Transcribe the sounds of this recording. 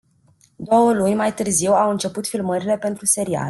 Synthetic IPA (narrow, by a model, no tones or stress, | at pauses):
d̪o̞wəlunʲmajt̪ɨrziwawɨnt͡ʃe̞put̪filməɾile̞pe̞nt̪ɾuse̞ɾia̰l